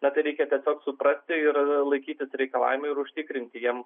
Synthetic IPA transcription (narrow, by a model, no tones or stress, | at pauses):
nɐt̪ɐɪɾʲɛɪkʲɛt̪ʲɛsʲoːksʊpɾɐsʲt̪ʲɪɪɾlˠɐɪkʲiːt̪ʲɪsɾʲɛɪkɐlˠɑ̰ːʋʲɪmɐɪɾʊʃʲt̪ʲɪkɾʲɪnʲt̪ʲɪjiɛm